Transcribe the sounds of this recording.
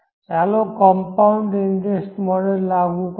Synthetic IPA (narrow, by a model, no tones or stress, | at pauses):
ɛlokɔmpawɳɖindesʈmɔɾelːaɡuk